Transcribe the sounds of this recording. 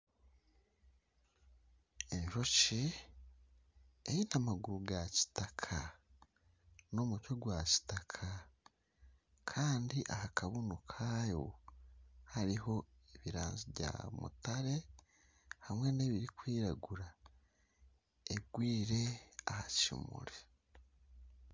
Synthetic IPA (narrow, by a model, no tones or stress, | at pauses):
emiɾo̞ce | ejinamaɡuɾuɡaci̥takʰa | nomucoɡwaci̥takʰa | kʰaːndiʔahakʰaβunukʰajo̞ | haɾiɦo̞eβiɾa̰ːnziβɟa̰mṵtaɾe̞ | hamŋe̞ne̞βiɾikwiːɾaɡuɾa | eɡwiːɾe̞ahacḭmṵɾe